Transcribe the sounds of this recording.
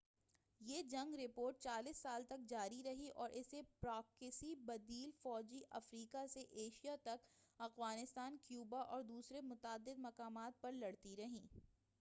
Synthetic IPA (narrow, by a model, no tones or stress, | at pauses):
jeːd͡ʒɐ̃ŋɡɾɪpoːɾʈ̚t͡ʃaːliːsːaːlt̪ɐk̚d͡ʒaːɾiɾɐɦiʔɔːɾʔɪsepɾaːkɪsibɐd̪iːlfɔːd͡ʒiʔɐfɾiːkaseʔeːʃijat̪ɐkɐxwaːnɪst̪aːnkjuːbaʔɔːɾd̪uːsɾemʊt̪aːd̪ːɪd̪mɐkaːmaːt̪̚pɐɾlɐɽt̪iɾɐɦĩː